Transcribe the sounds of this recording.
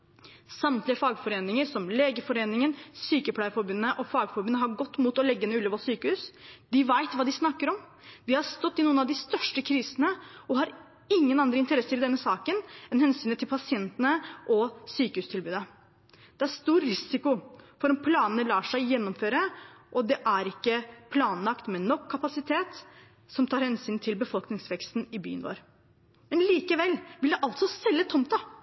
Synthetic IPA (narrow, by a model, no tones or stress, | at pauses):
sɑmt̪lɪəfɑːɡfɔɾeːnɪŋəɾsɔmleːɡəfɔɾeːnɪŋənsyːkəpʰlæɪəfɔɾbʉnːəʔɔfɑːɡfɔɾbʉnːəɦɑɾɡɔt̪ːmuːt̪ɔlɛɡːəɛnʉːlɔːʋɑsyːkəhʉːsd̪ɪʋæɪt̪ʋɑːd̪ɪsnɑkːəɾɔm | d̪ɪhɑɾst̪ɔt̪ːɪnuːənɑʋd̪ɪst̪œʂʈəkʰɾiːsənəɔhɑɾ | ɪŋːənɑnd̪ɾəɪnt̪əɾɛsːəɾɪd̪ɛnːəsɑːkənɛnhɛnsyːnət̪ʰɪlpʰɑsɪɛnt̪ənəʔɔsyːkəhʉːst̪ʰɪlbʉːd̪ə | d̪̥ɛæɾst̪uːɾɾɪsɪkʊfɔɾɔmpʰlɑːnənəlɑːʂæɪjɛnːɔmføːɾəʔɔd̪ɛʔæɾɪkːəpʰlɑːnlɑkt̪mɛnɔkʰːɑpɑsɪt̪ʰeːt̪ | sɔmt̪ʰɑːɾhɛnsyːnt̪ʰɪlbəfɔlknɪŋsʋɛkst̪n̩ɪby̰ːənʋo̰ːɾ | mɛnliːkəʋɛlʋɪld̪ɛʔɑlt̪sɔsɛlːət̪ʰɔmt̪ɑ